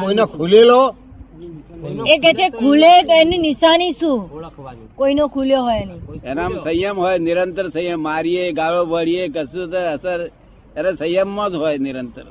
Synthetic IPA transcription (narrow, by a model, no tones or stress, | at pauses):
koinekʰulelo | eket͡ʃʰekʰulet̪oenĩnɪsanisũ | koinokʰuljoɦojnĩenemsəjəmɦojnɪɾənt̪əɾsəjəmːaːɾijeɡaɭobəɽijek̬əsut̪əəsəɾ | eɾesəjəmːõd͡ʒɦojnɪɾənt̪əɾ